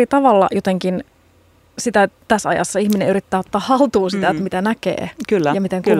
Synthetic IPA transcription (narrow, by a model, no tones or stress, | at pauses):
it̪ɑʋɑlːɑ̰jot̪eŋkin | sit̪æt̪æsɑ̰jɑ̰sːɑiçminẽyɾit̪ːæːot̪ːɑːhɑlt̪uːsit̪æet̪mit̪ænækḛːkylːjɑmit̪eŋku